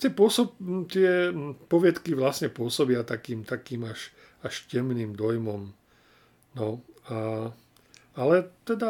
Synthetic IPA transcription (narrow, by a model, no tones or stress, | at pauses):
t̪ɪɛpʊɔsɔt̪ɪɛpɔʋɪɛt̪kiʋlasɲɛpʊɔsɔbɪat̪akiːmt̪akiːmaʃ | aʃcɛmniːmd̪ɔjmɔm | nɔa | alɛt̪ɛd̪a